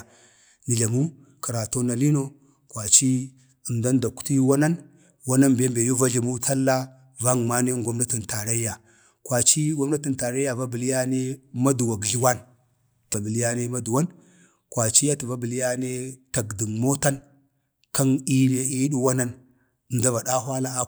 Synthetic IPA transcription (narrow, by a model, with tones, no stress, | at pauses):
ni˨ɮa˨mu˦ | ki˨ɾa˨to˦na˨li˦no˦ | kʷwa˨t͡ʃi˦ | ə˨nda˦nda˨ku̥˦ti˦wa˦na˦n | wa˦na˦nbe˦mbe˨ju˦va˦ɮa˨mu˦tʰa˦lːa˦ | va˦ŋ˨ma˦ne˦ŋɡʷa˦mna˦ti˨nta˨ɾa˦ja˨ | kwa˨t͡ʃi˦ɡa˦mna˦ti˨nta˨ɾa˦ja˨va˦bə˨li˦ja˦ne˦ma˦du˨wa˨ɡɮi˦wa˦n | ta˨bə˨li˦ja˦ne˦ma˦du˨wa˦n | kwa˨t͡ʃi˦ja˦ti˨va˦bə˨li˦ja˦ne˦ta˨ɡdi˨mmo˦ta˦n | ka˦ni˦la˦i˦ɗu˦wa˦na˦n | ə˨nda˦va˨ɗa˦ɦwa˦la˦a˦